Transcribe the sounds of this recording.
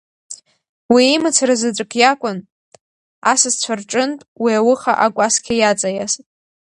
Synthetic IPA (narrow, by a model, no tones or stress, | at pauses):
wiːmɨt͡sʰarazɨdʷʼkʼʰjakʷʼʊn | asɨzt͡ɕʷʰarʈ͡ʂʼɨntʼwiawʊχaʔakʷʼaskʲʰajat͡sʼajasʼ